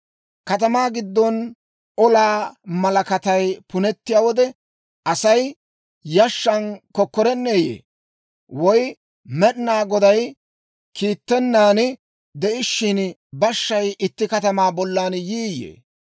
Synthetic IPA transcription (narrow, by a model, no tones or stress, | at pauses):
kɐt̪ɐmaːɡɪd̪ːɔn | ɔlaːmɐlɐkɐt̪ɐjpʊnɛt̪ːɪjaːwɔd̪ɛ | ʔɐsɐj | jɐʃːɐnkɔkːɔɾɛnːeːjḛː | wɔj | mɛɗnaːɡɔd̪ɐj | kʰiːt̪ːɛnːaːn | d̪ɛʔɪʃːɪnbɐʃːɐjɪt̪ːɪkɐt̪ɐmaːbɔlːaːnjiːjːḛː